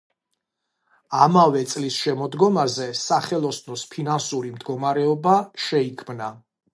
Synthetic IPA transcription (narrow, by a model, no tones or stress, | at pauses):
amavɛt̪sʼlisʃɛmɔd̪ɡɔmazɛsaχɛlˠɔsnɔspʰinansuɾimd̪ɡɔmaɾɛɔbaʃɛikʰmna